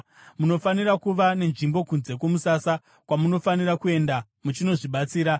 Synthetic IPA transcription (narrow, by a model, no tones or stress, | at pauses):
muno̞fanirakuʋane̞nʐimbo̞kunze̞k̬wo̞musasa | kwamuno̞fanirakue̞nda | mut͡ʃino̞ʐiɓat͡siːɾa